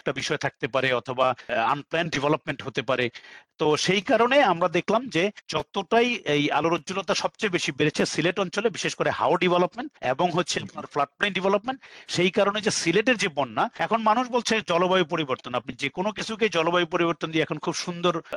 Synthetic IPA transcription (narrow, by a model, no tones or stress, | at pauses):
ɛk̚ʈabiʃɔet̪ʰak̚t̪epaɾeɔt̪ʰobaa̰nplɛnɖivʱɛlopmeɳʈɦot̪epaɾet̪oʃejkaɾoneamɾad̪ekʰlamd͡ʑed͡ʑɔt̪oʈajeja̰loɾoːulot̪aʃɔb̚t͡ɕajbeʃibeɾet͡ɕʰesileʈɔnt͡ɕolebiʃeʃkoɾeha̰oɾɖivʱelopmeɳʈḛboŋɦotːɕʰepnaɾflaʈ̚plejnɖivʱelopmeɳʈʃejkaɾoned͡ʑesileʈ̬eɾd͡ʑebɔnːaɛkʰonmanuʃbolt͡ɕʰed͡ʑɔlobajop̬oɾiboɾt̪onap̚nid͡ʑekonok̬it͡ɕʰuk̬ed͡ʑɔlobajpoɾiboɾt̪ond̪iɛkʰonkʰubʃund̪oɾ